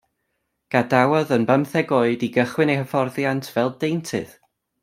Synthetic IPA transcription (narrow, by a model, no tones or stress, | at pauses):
ɡ̥adawɔðənbəmθɛɡoɨdiɡəχwɪnejhəfɔrðjantʰv̥ɛlˠdejntʰɨ̰ð̥